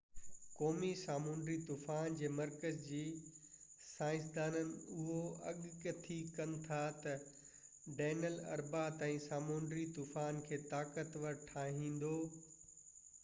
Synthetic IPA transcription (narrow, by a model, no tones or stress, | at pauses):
kɔːmisaːmõːɳɖɾit̪uːfaːnd͡ʑeːmɐɾkəzd͡ʑiː | saːɪ̃s̬d̪aːnənɪ̆ʊɦoɐ̰ɠkt̪ʰikɐnɪ̆t̪ʰat̪ɐ | ɖeːnəlɐ̰ɾbaːt̪ãĩsaːmõːnɖɾit̪uːfaːnkʰeːt̪aːkət̪ʋɐɾʈʰaːɦĩːn̆d̪oː